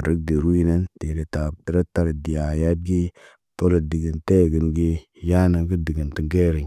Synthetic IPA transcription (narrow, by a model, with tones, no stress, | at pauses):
ɾi˦ɡ̚di˨ɾu˦ji˦ne˦nte˨ɾe˨ta˨i˨ɾe˦ta˦ɾə˨di˨ja˨ja˦d̚ɡi˦ | to˦lə˨di˨ɡə˨nte˦˨ɡə˨nɡi˦ | ja˦nə˨ɡə˦di˨ɡə˨nti˨ŋɡe˦ɾi˨